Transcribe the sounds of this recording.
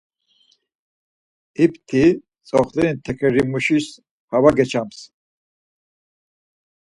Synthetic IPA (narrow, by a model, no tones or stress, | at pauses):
ip̚t̪ʰi | t͡sʼɔχlɛnt̪ʰɛkʰɛɾimuʃis | havaɡɛt͡ʃʰams